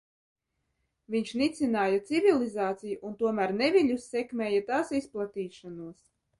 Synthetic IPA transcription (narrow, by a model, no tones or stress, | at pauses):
viɲʃnit̪sinaːjat̪sivʲilˠizaːt̪sijuʔunt̪uɔmæɾnevʲiʎʲusːɛkmʲɛːjat̪aːsisplˠat̪iːʃanuɔs